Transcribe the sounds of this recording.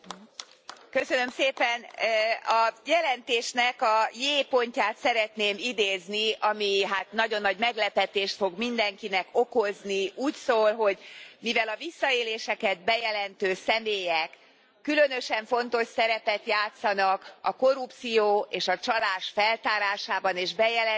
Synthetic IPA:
køsønø̞mseːpɛnɒjɛlɛnt̪eːʃnɛkɒjeːpo̞ɲcaːt̪sɛɾɛt̪neːmid̪eːzniɒmiɦaːt̪nɒɟo̞nːɒɟmɛɡlɛpɛt̪eːʃt̪fo̞ɡmind̪ɛŋkinɛko̞ko̞zniʔuːcsoːlɦo̞ɟmivɛlɒvisːɒeːleːʃɛkɛd̪̚bɛjɛlɛnt̪øːsɛmeːjɛkː | ylø̞nøʃɛɱfo̞nt̪o̞ʃsɛɾɛpɛt̪jaːt̪sɒnɒkɒ̰ko̞ɾupt̪sijoːeːʃɒt͡ʃɒlaːʃfɛlt̪aːɾaːʃaːbɒneːʒbɛjɛlɛ

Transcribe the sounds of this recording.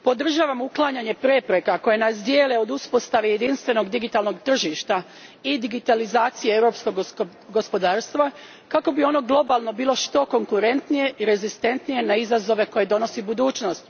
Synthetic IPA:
po̞d̪r̩ʒaːʋamuklˠaːɲaɲe̞pɾe̞pɾe̞kako̞jenasd̪jeːleo̞d̪uspo̞st̪aʋeje̞d̪inst̪ʋe̞no̞ɡd̪iɡit̪alno̞ɡt̪r̩ʒiʃt̪a | id̪iɡit̪alizaːt̪sijeewɾo̞psko̞ɡ | ɡospo̞d̪aːɾst̪ʋa | kako̞bio̞no̞ɡlˠo̞balˠno̞biːlˠo̞ʃt̪o̞ko̞ŋkuɾe̞nt̪nije̞iɾe̞zist̪e̞nt̪nije̞naizazo̞ʋe̞ko̞je̞d̪o̞no̞sibud̪uːt͡ʃno̞st̪

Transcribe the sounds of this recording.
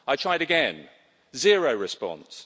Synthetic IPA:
aɪtʰɹ̥aɪɾɨɡɛ̃n | zɪəɹəʊɹɪspɒ̰̃ns

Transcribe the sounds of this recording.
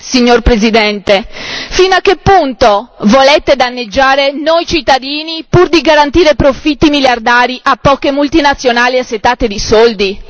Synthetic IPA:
siɲːorpɾezid̪ɛnt̪efinakːepːunt̪ovolet̪ed̪anːed͡ʒːaːɾenojt͡ʃit̪ːad̪iːnipurd̪iɡaɾant̪iːɾepɾofit̪ːimiljard̪aːɾiʔapːɔːkemult̪inat̪sːjonaːliasːet̪ːaːt̪ed̪isɔld̪i

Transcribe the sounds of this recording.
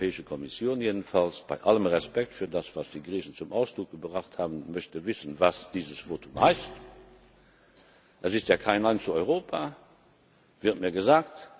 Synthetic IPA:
ɛːɪʃəkʰɔmisjoːnjeːdən̩falsb̥a̰ɪʔaləmʁɛspɛk̚tfyːɐdasv̥asd̥iːɡʁiːçən̩t͡sumʔaʊsd̥ʁʊk̚ɡ̥əbʁaχthaːbənmœçtəvɪsənvasd̥iːzəsv̥oːtʰumhaɪst | ʔəsɪstjaːkʰaɪnlaɪnt͡suɔʏʁoːpʰa | v̥ɪɐtmiːɐɡəzaːkt

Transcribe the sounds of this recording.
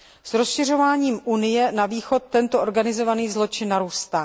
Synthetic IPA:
sɾo̞sʃɪr̝o̞vaːɲiːmʔunɪjɛnaviːxo̞t̪ːɛnt̪ooɾɡanɪzo̞vaniːzlo̞t͡ʃɪnːaɾuːst̪aː

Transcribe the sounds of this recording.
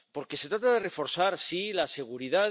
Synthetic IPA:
po̞ɾke̞se̞t̪ɾat̪aðere̞fo̞ɾθaɾsilase̞ɣ̞uɾiða

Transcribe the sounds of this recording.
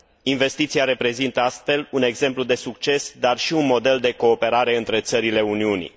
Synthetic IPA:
inve̞st̪it̪siaɾe̞pɾe̞zint̪əast̪fe̞lune̞ɡze̞mplud̪e̞sukt͡ʃe̞sd̪arʃiunmo̞d̪e̞ld̪e̞ko̞ːpe̞ɾaɾe̞ɨnt̪ɾe̞t̪səɾile̞uniunḭ

